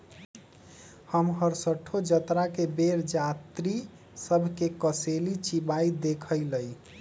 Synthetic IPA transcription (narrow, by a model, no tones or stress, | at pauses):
həmɦəɾsəʈʰːod͡ʒət̪ɾakebeɾd͡ʒat̪ɾi | səbʱkekəselit͡ʃibaid̪ekʰəjləj